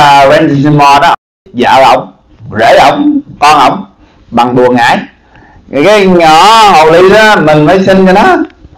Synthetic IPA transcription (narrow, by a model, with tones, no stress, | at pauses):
vɛ˧nzi˧ns̬i˧nmɔ˧ɗɔ˨˦ʔ̚ | za̰ː˧˨˩wʔə̰˧˨wŋ͡m | zḛ˧˩ʔə̰˧˩wŋ͡mkɔ˧nʔə̰˧˨wŋ͡m | ɓa˨˩ŋɗu˨˩əŋʔa̰ː˧˨˦j | jkaː˨˦jɲɔ˧˩ho˨˩wli˧ɗɔ˨˦mï˨˩ŋ̟məː˨˦jsï˧ŋka˧˦nɔ˨˦